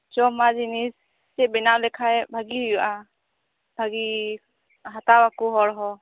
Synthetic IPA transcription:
t͡ʃɔmad͡ʒinisː | ɛbɛnawlɛkʰajbʱaɡiɦjuʔa | bʱaɡi | ɦat̪awakuɦɔɽɦɔ

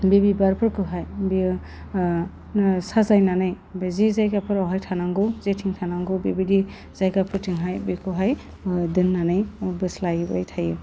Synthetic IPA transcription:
bibibaɾpʰɯɾkɯɦajbi | sazajnanɯj | bezizajkapʰɯɾɔɦajtʰanaŋɡɯzetʰiŋtʰanaŋɡɯbibidi | z̥ajkapʰɯɾtʰiŋɦajbekʰɯɦaj | dɯnːanɯjbɯslajba̰jtʰajɯ

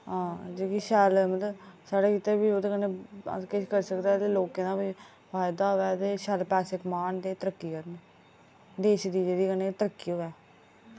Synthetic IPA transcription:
ɦãːd͡ʒoːkiʃɛːlmət̪ləbsaːɽeːkiːt̪eːbiːoːt̪eːkəneːə̰keʃkəɾsəkd̪aːt̪eːloːkẽːd̪aːbiː | pʰaːɪd̪aːɦoːɛːt̪eːʃɛlpɛːsekmaːnd̪eːt̪əɾəkːiːkəɾneː | d̪eːʃd̪iːd͡ʒeːd̪iːkəneːt̪əɾəkːiːɦoːɛː

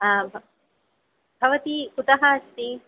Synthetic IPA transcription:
abʱ | bʱɐʋɐt̪ikut̪ɐɦɐːst̪i

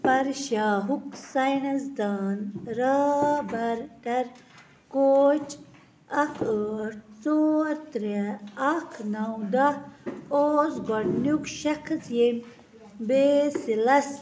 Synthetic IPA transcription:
pɐɾʃaːɦuksajɳɐzd̪aːnɾaːbɐɾʈɐɾ | koːt͡ʃ | ɐkʰəʈt͡soɾt̪ɾeːkʰnawd̪aoːsɡoɽnukʃɐkʰɐsjen | besilɐs

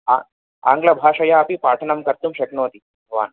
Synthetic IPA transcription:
a̰ | a̰ːŋɡlɐbʱaːʂɐjaɐpipaːʈ̪ʰɐnɐmkɐɾt̪umʃɐknoːɐt̪i | bʱʋa̰ːn

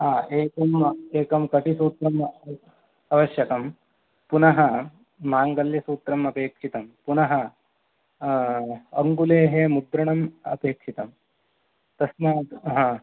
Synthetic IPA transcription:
ɦaːʔeːkɐmeːkɐmkɐʈisuːt̪ɾɐm | ɐʋɐʃjɐkɐm | punɐɦɐ | maːŋɡɐljɐsuːt̪ɾɐmɐpeːkʂit̪ɐmpunɐɦɐ | ɐ̰ŋɡuleːɦemud̪ɾɐɳɐmɐ̰peːkʂit̪ɐm | t̪ɐsnaːɦãː

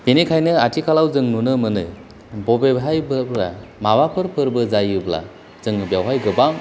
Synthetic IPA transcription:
binikʰajnɯatʰikʰalawzɯŋnunɯmɯnɯ̰ | bɔbebɦajbɯbɾa̰mawapʰɯɾpʰɯɾbɯzajɯbla̰ | zɯŋbjawɦajɡɯbaŋ

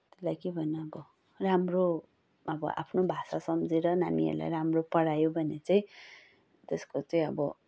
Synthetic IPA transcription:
t̪elajkebʱʌnʌʌbʌ | ramro | ʌbʌ̰ʔa̰pʰnobʱasasʌmd͡ziɾʌnanḭɦʌ̰ɾla̰jɾamropʌɽajobʱʌnet͡saĩ | t̪eskot͡saĩʌbʌ̰

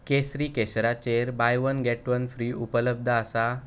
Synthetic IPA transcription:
kesɾiːkeɕɾat͡ɕeɾbajʋənɡeʈʋənfɾiːupələb̚d̪ʱəasa

